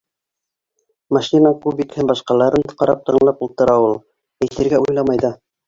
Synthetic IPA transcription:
mɑʃʲinɑkʉpjɘ̆t̪hɘnbɑʃqɑlˠɑɾɤnqɑɾɑp̚t̪ɤ̆ɴlˠɑpulˠt̪ɤ̆ɾɑulˠ | æ̆jθɘ̆ɾɡæujlˠɑmɑjðɑ

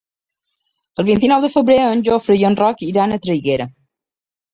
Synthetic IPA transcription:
əlˠβint̪inɔwðəfəβɾeənʲʒofɾəjonrɔkiɾanət̪ɾəjɣeɾə

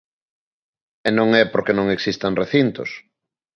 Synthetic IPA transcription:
ɛnõŋɛpoɾkenõŋeksist̪aŋreθint̪ʊ̰s

